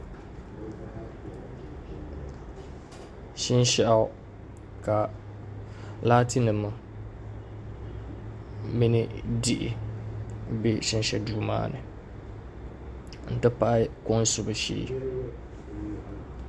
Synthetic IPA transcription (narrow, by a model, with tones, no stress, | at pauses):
ʃɪ˦nʃɛ˦ʔa˦ʊ˦ | ka˨ | laː˦ti˦nɨ˨mɨ˨ | mi˦nɪ˦di˨ʔɪ̰˨ | bi˦ʃɪ˦nʃɛ˨duː˦ma̰ː˦nɨ̰˨ | n̩˨tɨ˦pa˦ʔɪ˦kʊ˦n˦sʊ˨bɨ˨˦ʃḭː˨˦